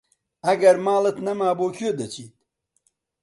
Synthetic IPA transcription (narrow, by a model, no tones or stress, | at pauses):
ɐɡɐɾmaːlɐt̪nɐmaːboːkʰod̪ɐt͡ɕʰiːt̪